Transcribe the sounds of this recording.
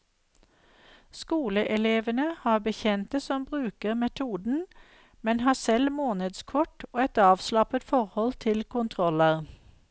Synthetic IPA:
skuːləʔɛleːʋənəhɑːbəçɛnt̪əsɔmbʁʉːkəʁmɛt̪ʰuːd̪n̩ | mɛnhɑːsɛlmoːnəd̪skʰɔʈoːɛt̪ɑːʋslɑpət̪fɔʁhɔlt̪ʰɪlkʰʊnt̪ʰʁɔləʁ

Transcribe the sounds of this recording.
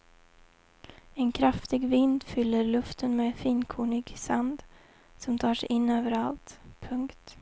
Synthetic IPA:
ɛnkʰɾaft̪ɪɡvɪnd̪fʏlːəɾlɵft̪ənmeːfiːnkʰuːɳɪɡsand̪ | sɔmt̪ʰɑːʂɛjʔɪnːøːvəɾalt̪pʰɵŋkt̪

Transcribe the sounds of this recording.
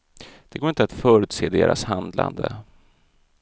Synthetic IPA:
d̪̥ɛɡoːɾɪnt̪at̪fœːɾʉ̟ːt̪seːd̪eːɾʔashand̪la̰nd̪ə

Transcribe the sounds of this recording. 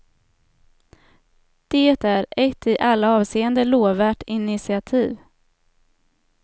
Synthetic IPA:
d̪̥eːt̪æɾɛt̪ːɪʔalːaɑːvseːənd̪əloːvæːʈɪnɪsɪat̪ʰiːv

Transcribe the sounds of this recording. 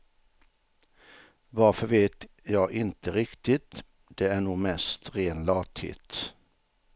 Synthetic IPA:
ʋɑɾfɔɾʋeːt̪ | jɑɪʔɪnt̪əɾɪkt̪ɪt̪ | d̪̥eːæːɳuːmɛst̪ɾeːnlɑːt̪ʰḭːt̪

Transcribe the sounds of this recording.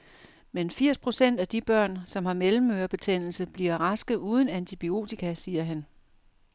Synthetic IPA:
menfiɐ̰spʰʁo̝sen̰d̥æd̥ib̥ɶɐ̰nsɒ̽mhɑ̈melm̩ːøːɐb̥e̝t͡sʰen̰l̩səb̥liɐʁɑsɡ̥ð̩ˠuːð̞ˠən̩ænt͡sʰib̥io̝̰ːt͡sʰikʰæsiːɐɦæn

